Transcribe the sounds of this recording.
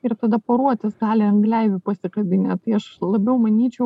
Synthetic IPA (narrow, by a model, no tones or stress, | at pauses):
ɪɾt̪ɐd̪ɐpoɾuɔt̪ʲɪsɡɑːlʲɪɐŋɡlʲæɪʋʲɪpɐsʲɪkɐbʲɪnʲɛːt̪ɐɪɐʃlˠɐbʲɛʊmɐnʲiːt͡ʃʲɛʊ